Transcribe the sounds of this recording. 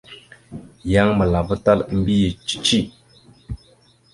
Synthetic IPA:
ja˦ŋmə˨la˨və˦ta˦li˦mbi˦ji˨t͡ʃi̥˦t͡ʃi˦

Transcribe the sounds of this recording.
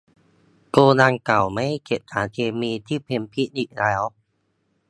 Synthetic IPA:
koː˧naː˧ŋka˨˩wma˦˥˨jke˨˩t̪̚haː˩˦kʰeː˧miː˧t̪ʰiː˥˩pʰe˧mpʰi˦˥niː˨˩k̚lɛː˦˥w

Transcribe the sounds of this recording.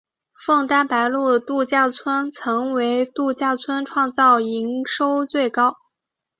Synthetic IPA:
fɤ˥˩ŋt̪a˥pa˧˥ɪlu˥˩d̪ə˩t̪u˥˧t͡ɕja˥˩t͡sʰwə˥nt͡sʰɤ˧˥ŋwe˧˥ɪt̪u˥˧t͡ɕja˥˩t͡sʰwə˥nʈ͡ʂʰwɑ˥˧ŋt͡sɑ˥˩ʊi˧˥ŋʂo˥ʊt͡swe˥˩ɪkɑ˥ʊ

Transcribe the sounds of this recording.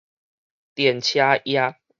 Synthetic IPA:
t̪jɛ˨˩nt͡ɕʰja˦ja˦

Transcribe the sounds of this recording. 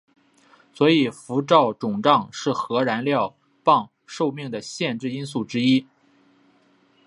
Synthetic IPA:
swɔ˧˥i˨˩fu˧˥ʈ͡ʂɑ˥˩ʊʈ͡ʂʊ˨˩ŋʈ͡ʂɑ˥˧ŋʂɻ̩˥˩xɤ˧˥ɻa˧˥nljɑ˥˧ʊ | pɑ˥˧ŋ | ʂo˥˧ʊmi˥˩ŋd̪ə˩ɕjɛ˥˧nʈ͡ʂɻ̩˥˩i˥nsu˥˩ʈ͡ʂɻ̩˥i˥

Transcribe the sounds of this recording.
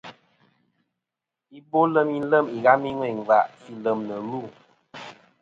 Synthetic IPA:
i˦bo˦lə˦mi˦n̩˦lə˦˨mi˨ɣa˦mi˦ŋwɛ˨ŋ˨va˨ʔsi˦lə˨mnə˨ɾu˦˨

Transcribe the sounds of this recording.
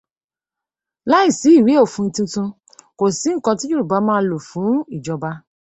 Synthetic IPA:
la˦i˦˨si˨˦i˦˨wi˨˦o˦˨fũ˧n̩˧tũ˧tũ˧ | ko˨si˨˦ŋ̩˦˨kɔ̃˧ti˦d͡ʒu˦ɾu˨ba˨˧˦mãː˦lo˨fũ˨˦i˦˨d͡ʒɔ˧ba˧

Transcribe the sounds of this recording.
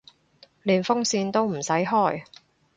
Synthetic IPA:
liː˨˩nfʊ˥ŋsiː˧nt̪o˥wm̩˨˩sɐ˨˥jɦɔː˥˩j

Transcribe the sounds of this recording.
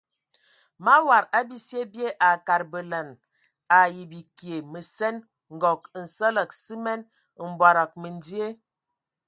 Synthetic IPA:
ma˦wa˨ɾa˦bi˦sje˦bje˦ʔa˨ka˨ɾbə˨lə˨n | a˨ji˨bi˨kje˨mə˨sɛ˦n | ŋ̩˨ɡɔ˨k̚n̩˨sə˦lə˨k̚si˦mɛ˦n | m̩˨ba˨ɾa˨k̚mə˨n˦di˦e˦

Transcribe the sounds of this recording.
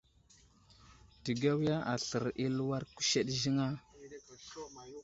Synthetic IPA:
ti˨ɡa˦wja˦ʔa˨ɬə˨ɾi˦lu˦wa˦ɾku̥˦ʃe˦ɗʒi˦ŋa˦

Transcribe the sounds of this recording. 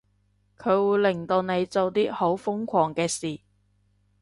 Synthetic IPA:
kʰɵ˨˧ɥwuː˨˧jlɪ˨˩ŋt̪o˨˧wne˨˧jt͡so˨wt̪iː˥ho˨˥wfʊ˥ŋkʷʰɔː˨˩ŋkɛː˧siː˨˩

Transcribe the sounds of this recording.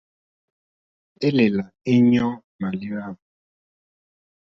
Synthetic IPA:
e˦le˨la˨i˦ɲɔ˦ | ma˨li˦a˦˨m

